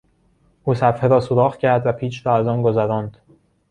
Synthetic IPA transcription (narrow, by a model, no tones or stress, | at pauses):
ʔuːsæfheɾɒːsoɾɒːxcʰæɾd̪væpʰiːt͡ʃɾɒːæzɒːnɡozæɾɒːnd̪̥